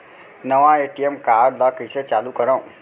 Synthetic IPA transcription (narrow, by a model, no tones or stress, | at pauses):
nəʋãeʈiemkaɾɖlakəit͡ʃʰet͡ʃalukəɾõ